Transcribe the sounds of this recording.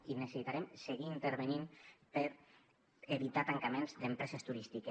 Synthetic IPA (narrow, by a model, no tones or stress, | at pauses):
inesesit̪aɾemseɣiːnt̪eɾβenimpəɾ | eβit̪at̪aŋkamẽnzd̪empɾɛsest̪uɾist̪ike